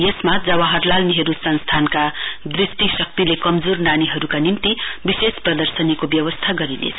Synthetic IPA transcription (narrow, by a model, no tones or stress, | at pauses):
jesmad͡zʌwaɦʌrlalniɦʌɾusʌnst̪ʰankad̪risʈisʌk̚t̪ilekʌmd͡zornaniɦʌɾukanimt̪ibisesprʌd̪ʌrsʌnikobjʌwʌst̪ʰaɡʌɾinḛt͡sʰʌ